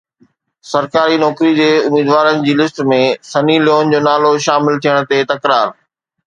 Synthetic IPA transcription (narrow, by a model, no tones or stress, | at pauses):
sɐɾkaːɾinɔːkɾid͡ʑeːʊmiːd̪ʋaːɾənɪ̆d͡ʑiːlɪsʈmẽsɐniljoːnd͡ʑoːnaːloʃaːmɪlt̪ʰijəɽ̃t̪et̪ɐkɾaːɾ